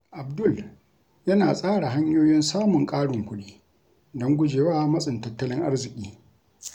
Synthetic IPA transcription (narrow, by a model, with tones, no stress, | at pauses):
ʔa˨b̚dʊ˦˨l | jɐ˦naː˨sʼaː˦ɽa˨ɦa˦ɲjoː˦jɪ˦nsaː˦mʊ˨ŋkʼaː˦ɽʊ˨ŋkʷʊ˦ɗiː˦ | dɔ˦ŋɡʷʊ˦d͡ʒeː˨waː˦mɐ˦sʼɪ˨ntɐ˦tːɐ˦lɪ˦ŋʔa˦rzɪ˨kʲʼiː˦